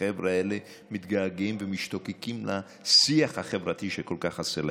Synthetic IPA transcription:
evʁaele | mit̪ɡaaɡimvemiʃt̪o̞kekimla | siaχhaχevʁat̪iʃeko̞lkaχasela

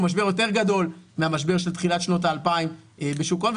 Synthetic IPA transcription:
maʃbe̞ʁjo̞t̪e̞ʁɡado̞lmeamaʃbe̞ʁʃelt̪χilat̪ʃno̞t̬aːlpaimbeʃukonv

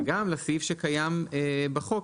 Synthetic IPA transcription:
ɡamlasifʃekajamebaχo̞k

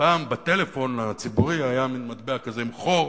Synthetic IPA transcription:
paːmbat̪e̞lefo̞nat͡sibuʁiajaminmad̪beakazemχo̞

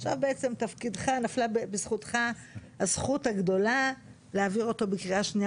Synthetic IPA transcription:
χʃa̰vbeet͡se̞mt̪afkidχanaflabebesχutχahasχuthaɡdo̞la | leaviʁo̞to̞bekʁiaʃni

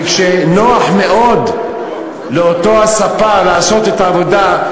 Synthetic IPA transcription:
kʃenoaħmeʔod̪ | leot̪oasafalaʕasot̪et̪ʕavod̪a

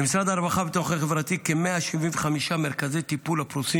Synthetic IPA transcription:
emisɾad̪aːɾbaχabet̪oχeχevʁat̪ikemeaʃiviɱveχamiʃameɾkazejt̪ipulapɾusi

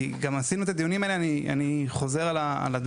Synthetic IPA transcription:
ɡamasinuet̪ad̪ijunimaelania̰niχo̞zeʁalaa̰lad̪

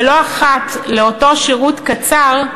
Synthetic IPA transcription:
lo̞aχatleoto̞ʃeʁutkat͡saʁ

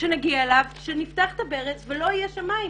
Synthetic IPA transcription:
ʃenaɡiaelavʃeniftaχt̪abeʁet͡svelo̞ajeʃamai

